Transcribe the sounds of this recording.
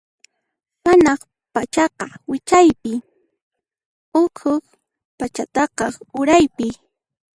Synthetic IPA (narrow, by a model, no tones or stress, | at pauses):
manɑχ | pat͡ʃɑqɑwɪt͡ʃajpɪ | ʊkʰʊk | pat͡ʃat̪ɑqɑʊɾajpɪ